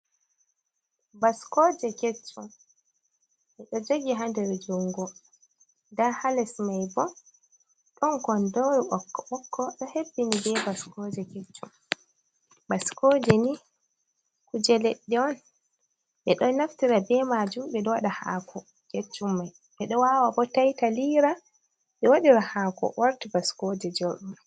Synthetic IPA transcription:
baskɔːd͡ʒɛket͡ʃːum | ʔɛɗɔd͡ʒoɡiɦandɛɾɛd͡ʒuŋɡɔ | ndahalɛsmajbɔ | ɗɔnkɔndoɾiʔɔkːɔʔɔkʰːɔɗɔhebːinibɛbaskɔd͡ʒɛket͡ʃːum | baskɔːd͡ʒɛni | kud͡ʒɛleɗːiɔn | ɓɛɗɔnnaftiɾabɛmad͡ʒumɓɛɗɔwaɗaha̰kʰɔ | ket͡ʃːumːaj | ɓɛɗɔwawabɔtajtaliːɾa | ɓɛwaɗiɾahaːkɔ̰waɾtibaskɔd͡ʒɛd͡ʒoɗum

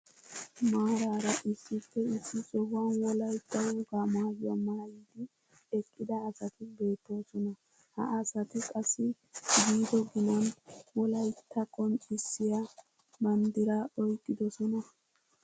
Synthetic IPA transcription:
maːɾaːɾɐʔɪsːɪfːɛɪsːɪsɔbɐnwɔlɐjt̪ːɐwɔɡaːmaːɡɪjamaːjiːd̪ɪ | ɛkʼːɪd̪ɐːsɐt̪ɪbe̞ːt̪ːo̞ːsɔnɐ | hɐ̰ʔɐsɐt̪ɪkʼɐsːɪ | ɡiːd̪ɔɡɪnɐnwɔlɐjt̪ʰːɐkʼɔnt͡ʃʼɪsːɪja | bɐnd̪ɪɾaɔjkʼːɪd̪ɔsɔnɐ

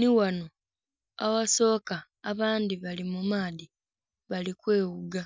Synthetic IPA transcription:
niwano̞ | a̰waso̞ːkaː | βaːndiβalimumaːði | βalikwe̞ːwuɡa

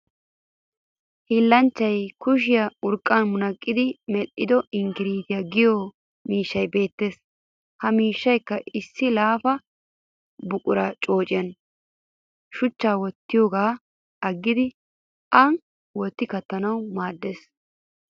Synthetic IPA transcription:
hiːlːɐnt͡ʃːɐjkʊʃ̬ɪjɐʊɾkʼːɐnmʊnɐkʼːɪd̪ɪmɛlʔɪd̪ɔʔɪŋɡɪɾiːt̪ɪjɐɡɪjɔ | miːʃːɐjbe̞ːt̪ːe̞ːs | hɐmiːʃːɐjkːɐʔɪsːɪlaːfɐ | bʊkʼʊɾɐt͡ʃʼo̞ːt͡ʃʼɪjɐn | ʃʊt͡ʃːaːwɔt̪ːɪjoːɡaː | ɐɡːɪd̪ɪ | ʔɐn | wɔt̪ːɪkɐt̪ːɐnɐwmaːd̪ːe̞ːs

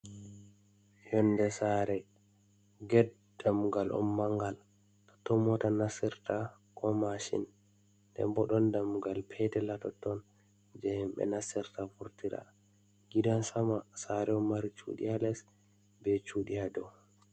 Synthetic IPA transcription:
jɔnːdɛsaɾɛ | ɡɛd | damuɡalʔɔ̰mːaŋɡal | tɔ̥tɔmɔtanasɛɾta | kʰɔmaʃḭn | dɛ̰mbɔɗɔndamuɡalpʰɛtɛlatɔtɔn | d͡ʒɛhimbɛ̰nasɛɾtafuɾtiɾa̰ | ɡidansamasaɾɛɔmːaɾit͡ʃṵɗḭalɛs | bɛt͡ʃuɗijadɔ

